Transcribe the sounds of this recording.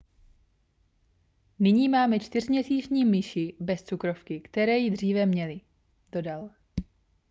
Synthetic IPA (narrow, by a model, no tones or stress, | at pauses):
nɪɲiːmaːmɛt͡ʃt̪ɪr̝mɲɛsiːt͡ʃɲiːmɪʃɪbɛst͡sukɾo̞fkɪkt̪ɛɾɛːjɪdr̝iːvɛmɲɛlɪ | d̥o̞dal